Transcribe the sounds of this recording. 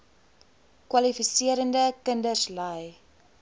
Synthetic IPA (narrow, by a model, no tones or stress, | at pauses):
kwɐlifisiəɾəndəkəndərslɛj